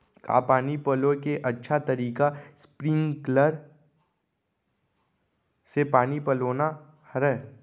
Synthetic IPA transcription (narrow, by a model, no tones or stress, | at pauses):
ka̰ːpaːnipɐlokeʔɐtːʃʰat̪ɐɾiːkaspɾɪ̃ŋɡkləɾ | sepaːnipɐloːna | hɾɛː